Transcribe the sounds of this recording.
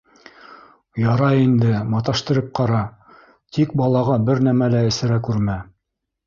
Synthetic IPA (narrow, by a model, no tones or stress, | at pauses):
jɑɾɑind̪ɘmɑt̪ɑʃt̪ɤ̆ɾɤp̚qɑɾɑ | t̪ʰik̚bɑlˠɑʁɑbɘɾnæmælæɘ̆sɘ̆ɾækʉɾmæ